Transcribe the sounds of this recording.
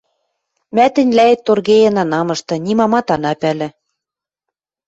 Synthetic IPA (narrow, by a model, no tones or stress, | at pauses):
mæt̪ɘ̆nʲlæet̪ːorɣejĕnɑnɑmɤ̆ʃt̪ɤ̆nʲimɑmɑt̪ɑnɑpælɘ̆